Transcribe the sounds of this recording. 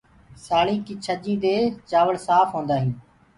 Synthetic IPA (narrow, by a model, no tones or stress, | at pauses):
saːɭĩːkiːt͡ʃʰəʄĩːd̪eːt͡ʃaːʋəɽsaːfɦõːnd̪aːɦĩː